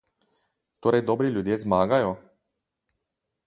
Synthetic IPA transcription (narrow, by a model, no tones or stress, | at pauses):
t̪oːɾɛjd̪ɔːbɾilʲjud̪jezmaːɡajɔ